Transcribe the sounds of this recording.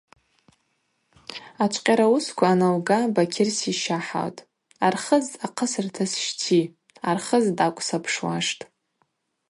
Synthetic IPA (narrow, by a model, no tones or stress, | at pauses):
at͡ʃʷʰʼqʲʼaɾauskʷʰaːnawɡabakʲʰɪrsiʃaħa̰wtʼ | arχəzaqʰəsɨrtʰasʃtʰi | arχəzdakʷʼsapʰʂwaʂtʼ